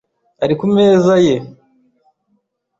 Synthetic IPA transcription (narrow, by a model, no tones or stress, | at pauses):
aɾikume̞ːzaje̞